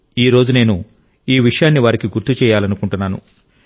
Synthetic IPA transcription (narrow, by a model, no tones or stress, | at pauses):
iːɾo̞ːd͡ʒune̞ːnu | iːʋiʂɐjaːnːiʋaːɾikiɡuɾt̪ut͡ʃɛːjaːlɐnukuɳʈunːaːnṵ